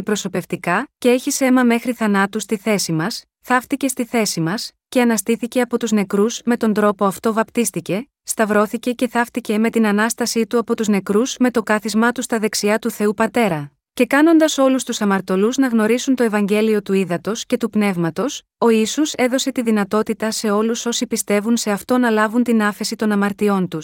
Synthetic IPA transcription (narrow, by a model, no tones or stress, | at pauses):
ipɾo̞so̞pe̞ft̪ikɐce̞eçise̞mɐme̞xɾiθɐnɐt̪ust̪iθe̞simɐs | θɐft̪ice̞st̪iθe̞simɐsce̞ɐnɐst̪iθice̞ɐpo̞t̪uzne̞kɾuzme̞t̪o̞nd̪ɾo̞po̞ɐft̪o̞vɐpt̪ist̪ice̞ | st̪ɐvɾo̞θice̞ce̞θɐft̪ice̞me̞t̪inɐnɐst̪ɐsit̪uɐpo̞t̪uzne̞kɾuzme̞t̪o̞kɐθizmɐt̪ust̪ɐðe̞ksiɐt̪uθe̞upɐt̪e̞ɾɐ | ce̞kɐno̞nd̪ɐso̞lust̪usɐmɐɾt̪o̞luznɐɣno̞ɾisunt̪o̞e̞vɐɲɟe̞lio̞t̪uiðɐt̪o̞sce̞t̪upne̞vmɐt̪o̞s | o̞isose̞ðo̞se̞t̪iðinɐt̪o̞t̪it̪ɐse̞o̞luso̞sipist̪e̞vunse̞ɐft̪o̞nɐlɐvunt̪inɐfe̞sit̪o̞nɐmɐɾt̪io̞nt̪us